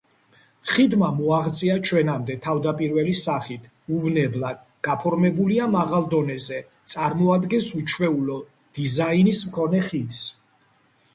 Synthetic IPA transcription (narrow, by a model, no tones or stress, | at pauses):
χid̪mamɔaʁt̪sʼiat͡ʃʰwɛnamd̪ɛt̪ʰavd̪apʼiɾvɛlisaχit̪ʰ | uvnɛblad̪̚ | ɡ̥apʰɔɾmɛbuliamaʁalˠd̪ɔnɛzɛ | t̪sʼaɾmɔad̪ɡɛnsut͡ʃʰwɛulɔ | d̪̥izainismkʰɔnɛχis